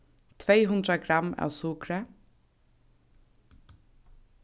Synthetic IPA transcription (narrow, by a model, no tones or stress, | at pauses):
t̪ʰvɛɪɦʉnd̪ɾaɡɾama̰wsukɾə